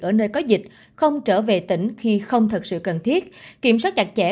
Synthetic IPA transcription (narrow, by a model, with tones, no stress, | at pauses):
ʔəː˧˩nəː˧jkɔ˨˦zï˨˩k̟̚ | xə˧wŋ͡mt͡ɕəː˧˩ve˨˩t̪ï˧˩ŋ̟xi˧xə˧wŋ͡mt̪ʰə˨˩t̚sɨ̰˧˨kə˨˩nt̪ʰi˦˥ət̚ki˧˩əmswaː˦˥t̚t͡ɕa˨˩k̚t͡ɕɛ˧˩